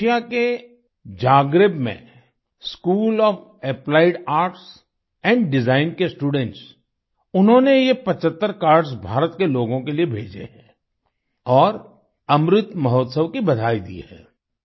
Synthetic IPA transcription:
ijake | d͡ʒaːɡɾɪbmḛ̃ | skuːlɔːf | ɛplaːɪɖaːɾʈs | ɛ̃ːɳɖɖɪzaːɪnkesʈuːɖɛ̃ɳʈs | ʊnɦõnejepɐt͡ʃət̪ːəɾkaːɾɖsbʱaːɾət̪keloːɡõkeliebʱḛːd͡ʒḛɦɛ̃ː | ɔːɾ | ɐmɾɪt̪mɐɦɔːt̪səʋkibɐd̪ʱaːid̪ḭhɛ̰̃ː

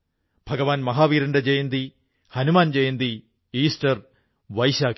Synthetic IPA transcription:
b̥ʱɐɡɐʋaːnmɐɦaːʋiːɾɐɳɖɐd͡ʑejɐnd̪i | hɐnumaːnd͡ʑejnd̪i | iːsʈɐr | ʋɐjʃaːk

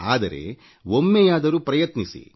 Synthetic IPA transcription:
aːd̪ɐɾe̞̰ | womːejaːd̪ɐɾuːpɾɐjɐt̪nisḭ

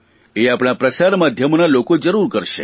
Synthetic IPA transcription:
eapɽ̃apɾəsaɾmad̪ʱjəmnalokod͡ʒəɾuɾkəɾʃe

